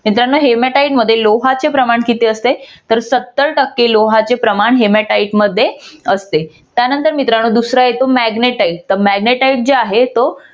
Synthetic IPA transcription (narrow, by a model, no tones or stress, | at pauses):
mit̪ɾanoɦemeʈaiʈməd̪ʱːjeloɦat͡sepɾəmaɳkit̪eəst̪et̪əɾsət̪ːəɭʈəkːeloɦat͡sepɾəmaɳɦemeʈaiʈməd̪ʱːjeəst̪e | t̪janənt̪əɾmit̪ɾanoːd̪usɾaɦet̪omæɡneʈaiʈ̚t̪əmæɡneʈaiʈ̚d͡zeaɦet̪o